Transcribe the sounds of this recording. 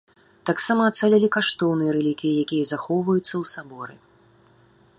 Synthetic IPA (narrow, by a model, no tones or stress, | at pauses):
t̪aksamɐːt̪salʲɛlʲikaʂt̪ɔwnɨjɐɾɛlʲikʲijɐjakʲijɐzaxɔwvɐjut̪sːɐwsabɔɾɨ